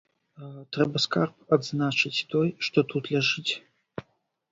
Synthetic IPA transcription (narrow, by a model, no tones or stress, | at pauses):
t̪ɾɛbɐskarp̚ad̪znat͡ʂɨt͡sʲt̪ɔjʂt̪ɔt̪ut̪lʲaʐɨt͡sʲ